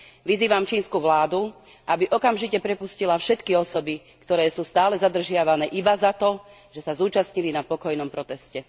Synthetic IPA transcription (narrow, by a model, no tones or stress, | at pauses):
ʋiziːʋamt͡ʃiːnskuʋlaːd̪u | ʔabiʔɔkamʒicɛpɾɛpuscilafʃɛt̪kiɔsɔbi | kt̪ɔɾɛːsuːst̪aːlɛzad̪r̩ʒɪaʋanɛːʔibazat̪ɔ | ʒ̥ɛsazuːt͡ʃasɲilinapɔkɔjnɔmpɾɔt̪ɛscɛ